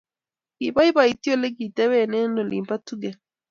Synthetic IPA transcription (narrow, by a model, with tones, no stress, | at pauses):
ki˨ba˦i˦ba˨i˨ti˦o˦˨le˦ki˨tɛ˦wɛ˦˨nɛ˦no˨lḭ˨mpa˦tu˦ɡɛ˨